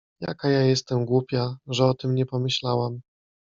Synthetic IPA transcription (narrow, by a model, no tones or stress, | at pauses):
ja̰kajajɛst̪ɛmɡwupʲjaʐɛɔt̪ɘmɲɛpɔmɘɕlawam